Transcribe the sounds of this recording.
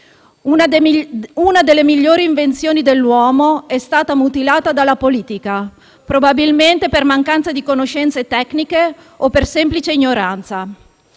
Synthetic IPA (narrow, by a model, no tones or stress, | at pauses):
unad̪elːemiʎːoːɾiːɱvent̪sjoːnid̪elːwɔːmoɛst̪aːt̪amut̪ilaːt̪ad̪alːapoliːt̪ika | pɾobabilment̪epermaŋkant̪sad̪ikonoʃɛnt̪set̪ɛknike | opersɛmplit͡ʃeiɲːoɾant̪sa